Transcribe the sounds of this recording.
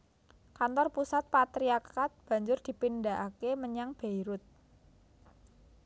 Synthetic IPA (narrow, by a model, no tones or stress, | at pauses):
kant̪ɔrpusat̪̚pat̪ɾiakat̪̚b̥a̤ɲd͡ʒʊrd̪̥i̤pindaʔakeməɲaŋb̥eiɾʊt̪̚